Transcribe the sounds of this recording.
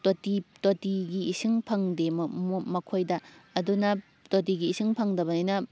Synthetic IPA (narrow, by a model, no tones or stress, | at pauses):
totitotiɡiːsiŋpʰɐŋdemmɐkʰojdɐɐdunɐ | tot̬iɡiːsiŋpʰɐŋdɐβɐninɐ